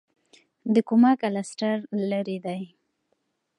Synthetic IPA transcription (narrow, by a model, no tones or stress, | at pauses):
d̪əkumɑkalasʈaɾlaɾed̪aj